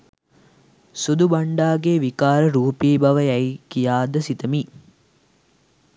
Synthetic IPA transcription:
sud̪ubɐɳɖaːɡeʋikaːɾəɾuːpiːbɐʋəjæjkijaːd̪əsit̪əmi

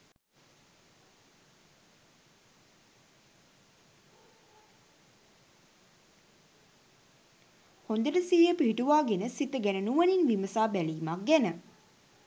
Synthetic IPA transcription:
hond̪əɖəsiːjəpiɦiʈuʋaːɡenəsit̪əɡænənuʋəninʋiməsaːbæliːmak̚ɡænə

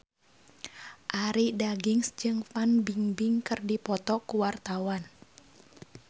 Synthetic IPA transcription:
ʔaɾidaɡiŋsd͡ʒɨŋfanbiŋbiŋkɨrdipɔt̪ɔkuwart̪awan

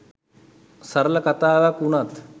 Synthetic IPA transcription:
səɾləkɐt̪aːʋakunat̪

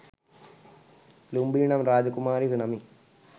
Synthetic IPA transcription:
lumbiːɳɐmɾaːd͡ʑɐkumaːɾiɦiɳɐmi

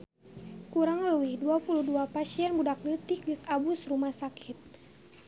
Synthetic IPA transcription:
kuɾaŋluwiduapuluduapasiɛnbudaklit̪ik̚disabusrumahsakʰit̪̚

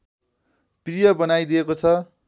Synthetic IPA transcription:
prijʌbʌnajd̪iekot͡sʰʌ

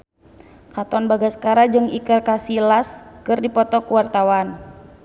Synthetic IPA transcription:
kat̪ɔnbaɡasə̥kaɾad͡ʒɨŋikərkasilaskɨrdipɔt̪ɔkuwart̪awan

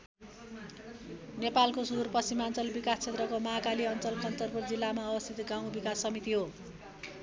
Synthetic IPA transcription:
nepalkosud̪urpʌst͡simant͡sʌlbikast͡sʰet̪rʌkomʌakaliʌnt͡sʌlkʰʌnt̪ʌrpurd͡zilːamaʌbʌst̪ʰit̪ɡaw̃bikasʌmit̪iɦo

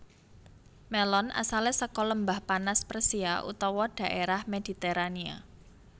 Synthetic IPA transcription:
melɔna̰salesəkɔləmbahpanasprəsia̰ʔṵt̪ɔwɔɖ̥ä̤ʔeɾahmed̪̥i̤t̪eɾania̰

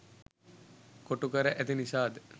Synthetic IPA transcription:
koʈukəɾəʔæt̪inisaːd̪ə

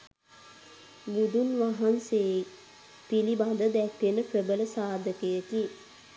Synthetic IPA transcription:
bud̪unʋaɦanse | pilibad̪əd̪ɛkʋenəpɾəbələsaːd̪ʱəkəjət̪i

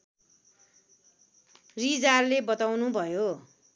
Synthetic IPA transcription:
rid͡zarlebʌt̪awnubʱʌjo

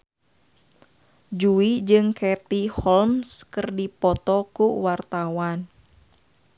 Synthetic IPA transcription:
d͡ʒuid͡ʒɨŋkʰɛt̪ihɔlmskərdipɔt̪ɔkuwart̪awan

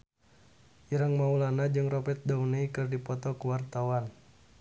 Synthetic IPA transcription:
iɾəŋmaulanad͡ʒɨŋrɔpɛt̪̚daunaikɨrdipɔt̪ɔkuwart̪awan

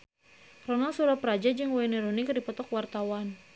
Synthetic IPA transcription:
rɔnalsuɾapɾad͡ʒad͡ʒɨŋwaɛnɛɾɔnikdipɔt̪ɔkwart̪awan

